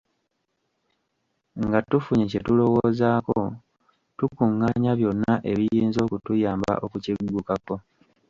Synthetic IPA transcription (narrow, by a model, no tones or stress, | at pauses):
ŋɡatufuɲecetulo̞woːzaːko | tukuŋːaːɲaβjo̞nːaʔe̞βijiːnzo̞ːkutujaːmba̰ʔo̞kuciɡːukako̞